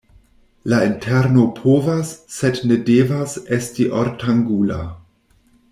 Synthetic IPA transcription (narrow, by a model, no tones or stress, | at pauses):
laintʰeɾno̞pʰovasːednedevasestiʔoɾtʰaŋɡula̰